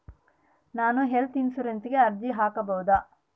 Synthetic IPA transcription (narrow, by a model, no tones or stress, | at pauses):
naːnuɦelt̪insuɾent̪iɡeɐɾd̪iɦaːkɐbɐwud̪aː